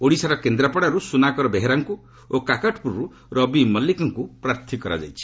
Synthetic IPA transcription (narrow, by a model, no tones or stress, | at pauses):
oɽisaɾɔkend̪ɾapɔɽaɾusunakɔɾɔbeɦeɾaŋku | okakaʈʰpuɾɔɾu | ɾɔbimɔlːikɔŋkupɾaɾt̪ʰikɔɾa̰d͡ʒa̰jt͡ʃʰi̥